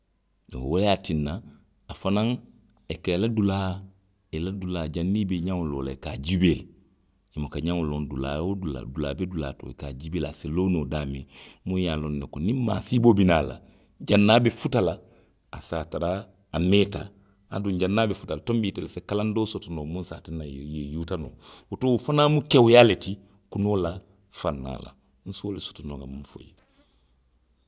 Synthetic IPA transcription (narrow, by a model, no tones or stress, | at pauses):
woleatinːa | afanãŋ | ekeladulaː | eladulaːd͡ʒanːiːbeɲãŋoloːlaekaːd͡ʒibeːl | imokaɲãŋolondula̰ːjoula̰dula̰ːbedula̰ːto̰ːekaːd͡ʒibelaseloːnoːdaːmemojalonːekonĩmma̰ːsibobinaːla̰ | d͡ʒanːaːbefutalaː | sataɾaː | neta̰ | adũɲɟanːaːbefu̥talatombitelesekalandoːsotonoːmũnsaːtenajejejutano̰otoufanaːmukewujaːleti | kunola | fanːa̰ːla̰ | n̩suoleso̥tonoŋamũnfo̰je